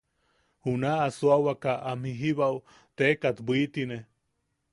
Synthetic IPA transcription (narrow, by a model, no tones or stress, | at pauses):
hunaːsuawakaʔamhiɦiβau | t̪eːkat̪bit̪ine